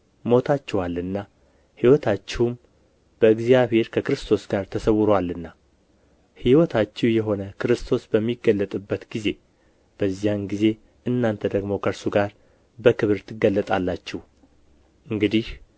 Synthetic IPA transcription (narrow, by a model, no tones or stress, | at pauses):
mo̞t̪ʰat͡ʃːɛwalːɨnːa | hiwɔt̪ʰat͡ʃːɛhum | b̥əɨɡzijaβhe̞ɾkʰəkɨɾɨst̪ʰo̞sɡaɾt̪ʰəsəwɾowalːɨnːa | hiwɔt̪ʰat͡ʃːɛwjɛɦo̞nəkʰɨɾɨst̪ʰo̞sbəmːiɡːəlːət̪ʼɨbːət̪ɡize̞ | b̥əzːijanɡize̞ | ʔɨnːant̪ʰəd̪əɡmo̞kʰəɾsuɡaɾ | bəkɨβɨɾt̪ʰɨɡːəlːət̪ʼalːat͡ʃːɛw | ʔɨŋɡɨd̪ih